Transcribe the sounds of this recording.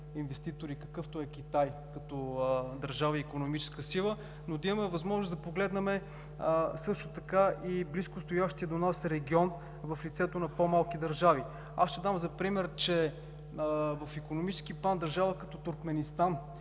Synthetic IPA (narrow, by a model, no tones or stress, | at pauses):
invɛst̪it̪oɾikɐ̥kɤft̪oɛkʲit̪ajkɐt̪ɔd̪ɐɾʒavəiːkonomit͡ʃɛ̥skəsilˠə | nod̪ɐiməmɛvɐzmɔʒnoszd̪ɐpoɡlɛd̪nɐmɛ | sɤʃt̪ot̪ɐkaʔibliskʊst̪ojaʃt̪iəd̪onasɾɛɡʲiɔn | vɐflit̪sɛt̪onɐpomalˠkid̪ɐɾʒavi | asʃɛd̪amzɐpɾimɛɾt͡ʃɛ | vɐfikonomit͡ʃɛ̥skiplˠand̪ɐɾʒavəkɐt̪ɔt̪uɾkmɛnist̪an